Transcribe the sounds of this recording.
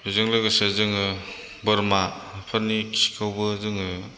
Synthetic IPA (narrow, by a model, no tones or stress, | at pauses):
izɯŋlɯɡɯsezɯŋɯ | bɯɾmapʰaɾnikʰiskʰawbɯzɯŋɯ